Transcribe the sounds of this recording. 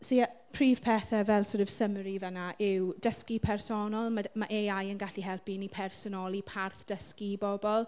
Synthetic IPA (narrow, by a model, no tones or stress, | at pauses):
siapʰriːv̥pʰɛːθɛvɛlˠsɔɾɔv̥səmɾivənaʔɪwd̥əskipʰɛrsɔnɔlˠmamaʔeajənɡaɬiɦɛlˠpinipʰɛrsɔnɔlˠipʰarθd̥əskibɔbɔlˠ